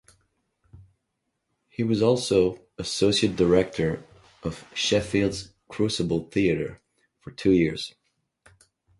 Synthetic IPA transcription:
hiwʌzɔlˠsoʊ | ɨsoʊsiɨt̚d̥ə˞ɛk̚tʰə˞ | ʔʌv̥ʃɛfilˠdz̥ | kʰɹ̥ʉsəbl̩ˠθiɨɾə̰˞ | fə˞tʰʉjɪɹz̥

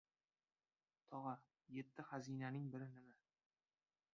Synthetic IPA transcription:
t̪ʰɒʁɑ | je̞t̪ʰːɪχazijnanɪŋbɪɾɪnɪma

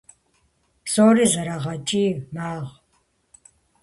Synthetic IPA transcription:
soːɾizɐɾaʁɐt͡ʃʼiːmaːʁ

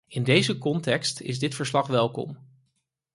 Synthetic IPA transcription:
ɪndejzəkɔntɛkstɪ̰zdɪtfəɹslɑχʋɛlˠkɔ̰m

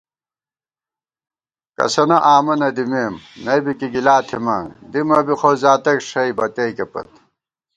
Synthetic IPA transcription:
kɐ̰sɐnɐʔaːmɐnɐd̪imeːmnɐjbikiɡilaːt̪ʰimɐd̪imɐbixozaːt̪ɐkʂɐibɐt̪ɐikepɐ̰t̪

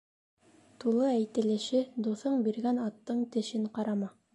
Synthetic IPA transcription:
t̪ulˠɤæjt̪ɘ̆lɘ̆ʃɘd̪uθɤɴbiɾɡænɑt̪ːɤɴt̪ɘ̆ʃɘɴqɑɾɑmɑ

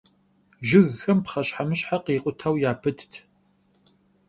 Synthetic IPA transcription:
ʒɪɣːɐmpχɐɕħamɨɕħaqiːqʷʼʊtʰawjaːpʰɨtʰtʰ

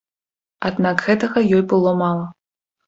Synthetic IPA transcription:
ad̪nakɣɛt̪ɐɣɐjɔjbɨlˠɔmalˠɐ

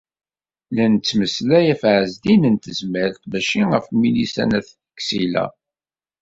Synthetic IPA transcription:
lænt͡sːməslæjæfʕəzd̪inənt̪əzmæɾt̪bæʃiəfmilisæ̰næθ | ksilæ̰

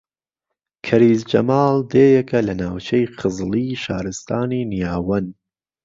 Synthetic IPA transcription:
kʰɐɾiːzd͡ʒɐ̰mɑːlˠd̪eːjɛkɐlɐnaːwt͡ʃʰejχɨzlˠiːʃaːɾɨst̪ʰaːniːnijaːwɐn

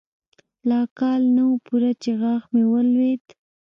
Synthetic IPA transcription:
lɑkɑlnawupuɾat͡ʃeɣɑxmewəlwed̪

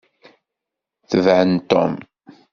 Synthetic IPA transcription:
θəvʕənt̪ɔ̰m

